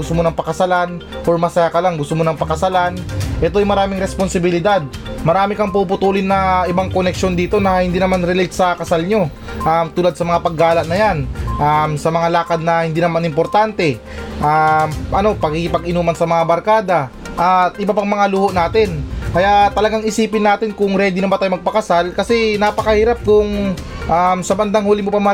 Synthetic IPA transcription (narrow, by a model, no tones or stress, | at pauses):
ɡʊst̪omonɐŋpɐkɐsɐlanʔoɹmɐsɐjakɐlaŋɡʊst̪omonɐŋpɐkɐsɐlanʔɛt̪o̞ʔɐjmɐɾaːmɪŋɾɛsponsɪbɪlɪd̪ad̪̚ | mɐɾaːmɪkɐŋpupʊt̪uːlɪnːɐʔɪbaŋkonɛkʃo̞nd̪iːt̪o̞nɐhɪnd̪iːnɐmanɾɛlɛt̪sɐkɐsalɲo̞ | ʔamt̪uːlad̪̚sɐmɐŋapɐɡːaːlɐʔnɐjanʔamsɐmɐŋalaːkɐd̪̚nɐhɪnd̪iːnɐmanɪmpo̞ɾt̪ant̪ɛ | ʔamʔɐno̞pɐɡɪkɪpɐɡɪnuːmɐnsɐmɐŋabɐɾkaːd̪ɐ | ʔat̪ʔɪbapɐŋmɐŋaluhoʔnaːt̪ɪnkɐjaʔt̪ɐlɐɡaŋɪsiːpɪnːaːt̪ɪnkʊŋɾɛd̪inɐbɐt̪aːjmɐɡ̚pɐkɐsalkɐsɛnapɐkɐhiːɾap̚kʊŋ | ʔamsɐbɐnd̪aŋhuːlɪmopɐm